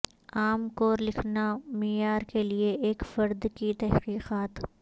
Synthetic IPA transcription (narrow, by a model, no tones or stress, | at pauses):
aːmkoːɾlɪkʰnamiːjaːɾkelieeːkfɐɾd̪kit̪ɛɦqiːqaːt̪